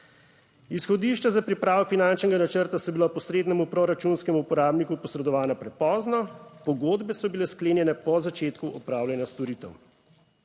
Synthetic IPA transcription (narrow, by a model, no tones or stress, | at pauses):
isxɔd̪iːʃt͡ʃazapɾipɾaːʋɔfinant͡ʃnɛɡanat͡ʃəɾt̪asɔbilapɔsɾeːd̪nɛmupɾɔɾat͡ʃunskɛmuupɔɾaːbnikupɔsɾɛd̪ɔʋaːnapɾɛpɔːznɔpɔɡoːd̪bɛsɔbilɛskleːnjɛnɛpɔzat͡ʃeːt̪kuʔɔpɾaːwljanjast̪ɔɾiːt̪ɛ̰w